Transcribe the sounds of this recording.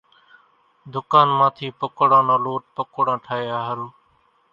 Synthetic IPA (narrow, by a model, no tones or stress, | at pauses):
d̪ʊkaːnmãːt̪ʰiːpəkɽãːnãːloːʈ̚pəkoɽãːʈʰaːeːaːɦəɾuː